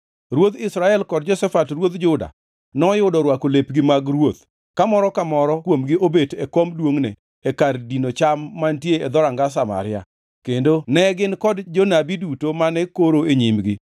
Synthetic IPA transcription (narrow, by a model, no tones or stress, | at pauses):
ɾwot̪ɪsɾaɛlkɔd̚d͡ʒɔsɛfatrwot̪d͡ʒʊda̰ | nɔjʊdɔɾwakolepɡɪmaɡɾwot̪ | kamɔɾɔkamɔɾɔkwomɡɪʔobetekomdwoŋnɛ | ekardinot͡ʃamːantjeed̪ɔɾaŋɡas̬ama̰ɾɪa̰ | kendonɛɡɪnkɔdd͡ʒɔnabidutomanɛkoɾoeɲimɡɪ